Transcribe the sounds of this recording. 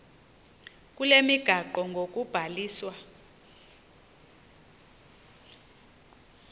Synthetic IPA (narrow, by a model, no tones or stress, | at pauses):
k̬ʼulemiɡ̥ʱaǃɔŋɡʱok̬ʼub̥ʱaliːswa